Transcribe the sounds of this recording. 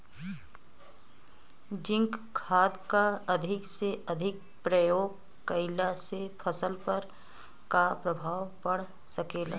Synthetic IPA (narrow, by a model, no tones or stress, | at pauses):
d͡ʒɪ̃ŋkkʰaːd̪kaɐd̪ʱɪkseʔɐd̪ʱɪk̚pɾəjoːɡ̚ | kəɪlasepʰəsəlpəɾ | kapɾəbʱaːwpɐɽ | səkeːla̰ː